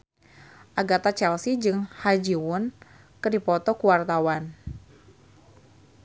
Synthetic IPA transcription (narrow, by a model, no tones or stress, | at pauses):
ʔaɡat̪at͡ʃɛlsid͡ʒɨŋhad͡ʒiwʊn | kɨdipɔt̪ɔkuwart̪awan